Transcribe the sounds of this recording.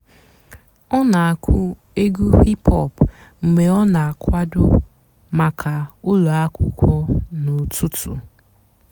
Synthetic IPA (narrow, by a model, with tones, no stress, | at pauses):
ɔ˦na˨a˨kʷʰʊ˦ | e˦ɡu˦hi˦pɔ˦˨pm̩˨me˨ɔ˦na˨a˨kʷa˦dʊ˦ | ma˨kʰa˨ʊ˦lo˨a˦kʷʊ˨kʷɔ˦nʊ˨tu˦tʊ˨